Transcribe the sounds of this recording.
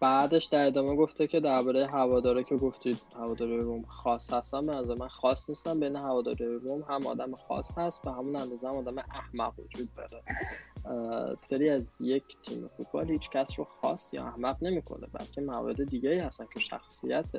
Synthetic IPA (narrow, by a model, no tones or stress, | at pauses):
b̥æːd̪e̞ʃd̪æɾed̪ɒːme̞ɡo̞ft̪ecʰʲe̞d̪æɾbɒːɾejeɦævɒːd̪ɒːɾicʰe̞ɡo̞ft̪id̪hævɒːd̪ɒɾijeɾomxɒːshæst̪ænbenæzæɾemænxɒsnist̪æmbejneɦævɒːd̪ɒ̰ːɾijeɾomɦæmɒ̰ːd̪æmexɒ̰shæst̪væhæmunænd̪ɒːzɛhæmɒːd̪æmeʔæhmæɡvo̰d͡ʒuːd̪̚bɒɾe | seɾiːæzjecʰt̪ʰḭːmefut̪̚ʰbɒ̰ːlhiːt͡ʃʰcʰæsɾoxɒ̰sjɒ̰æ̰hmæɣne̞miːkʰo̰nḛbæ̰lcʲʰe̞mævɒ̰ɾe̞d̪ed̪iɟeiːhæst̪æncʰe̞ʃæ̰xsijæt̪ʰe